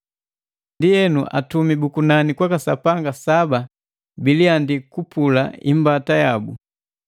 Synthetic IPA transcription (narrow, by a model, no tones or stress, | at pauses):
ndiɛnuʔa̰tumibukunanikwakasapaŋɡasaba | biliandikupulaḭmbatajabṵ